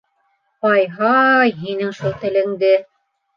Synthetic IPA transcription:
qɑjɦɑjɦinɘŋʃulˠt̪ɘ̆lɘ̆ŋɡɘ

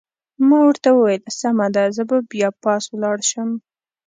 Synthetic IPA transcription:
mɑwəɾt̪awəwajəlsamad̪azəbabjɑpɑswlɑɽʃəm

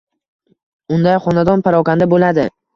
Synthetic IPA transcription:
ʊnd̪ajχɒnad̪ɒnpʰaɾɒkʲand̪abolad̪ɪ

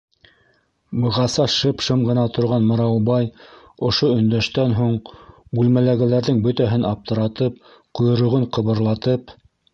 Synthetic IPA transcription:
bɤ̆ʁɑsɑʃɤpʃɤmʁɤ̆nɑt̪ŏɾʁɑnmɤ̆ɾɑwbɑj | ŏʃoɵ̆nd̪æʃt̪ænɦuɴbʉlmælæɡæ̆læɾðɘŋbɵt̪æɦɘnɑp̚t̪ɤ̆ɾɑt̪ɤp̚ | qŏjŏɾɤ̆ʁoɴqɤ̆βɤ̆ɾlˠɑt̪ɤp

